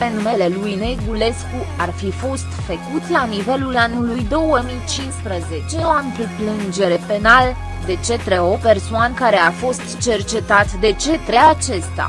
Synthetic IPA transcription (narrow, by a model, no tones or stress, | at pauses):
penme̞le̞lujneɡule̞sku | arfifo̞st̪fəkut̪lanive̞lulanulujd̪o̞wəmijt͡ʃinspɾəzet͡ʃe̞oanpɾiplɨnd͡ʒe̞ɾe̞penal | d̪e̞t͡ʃe̞t̪ɾeo̞pe̞rsoankaɾe̞afo̞st̪t͡ʃe̞rt͡ʃe̞t̪at̪d̪e̞t͡ʃe̞t̪ɾe̞at͡ʃe̞st̪a̰